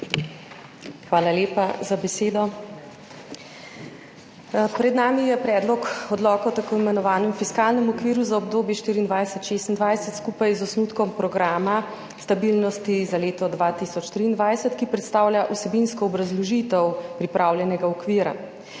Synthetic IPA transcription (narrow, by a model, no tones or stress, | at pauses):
xʋaːlaljeːpazabɛseːd̪ɔ | pɾɛd̪naːmijɛpɾɛːd̪lɔkɔd̪lɔːkɛwt̪akoːimɛnɔʋaːnɛmfiskaːlnɛmɔkʋiːɾuzaɔb̚d̪oːbjɛʃt̪iːɾind̪ʋajsɛt̪ʃeːst̪ind̪ʋajsɛt̪skuːpajzɔsnuːt̪kɔmpɾɔɡɾaːma | st̪abilnɔst̪izaleːt̪ɔd̪ʋaːt̪isɔt͡ʃt̪ɾiːnd̪ʋajsɛt̪kipɾɛt̪st̪aːwlʲjaʔusɛbinskɔːbɾazlɔʒit̪ɛwpɾipɾaːwljɛnɛɡaɔkʋiːɾa̰